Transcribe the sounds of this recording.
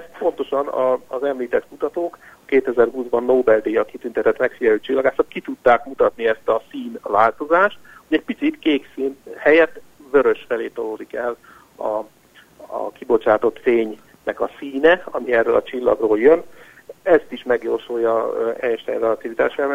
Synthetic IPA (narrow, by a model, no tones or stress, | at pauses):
spo̞n̪t̪o̞ʃɒnɒːzɛmliːt̪ɛt̪kut̪ɒt̪oːkɒkeːt̪ɛzɛrɦuːzbɒnːoːbɛld̪eːjɒkit̪ynt̪ɛt̪ɛt̪mɛkfijɛɾyːt͡ʃilːɒɡaːsɒt̪kit̪ut̪ːaːkmut̪ɒt̪niɛst̪ɒsiːnvaːlt̪o̞zaːʃt̪hoɟɛc̚pit̪sit̪keːksiːnhɛjɛt̪ːvø̞ɾø̞ʃfɛleːt̪oloːd̪ikɛl | ɒ̰ | kibo̞t͡ʃaːt̪o̞t̪feːɲ | mɛɡɒsiːnɛɒmiɛrːølʔɒt͡ʃilːɒ̰ɡroːljøn | ɛst̪iʃmɛɡjoːrʃojɒɛjɛʃt̪ɛ̰jrɛlɒt̪ivit̪a̰ːʃɛ